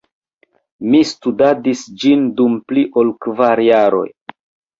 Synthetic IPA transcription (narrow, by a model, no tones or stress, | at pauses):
mistudadisd͡ʒindumpliʔo̞lkvaɾjaɾo̞̰j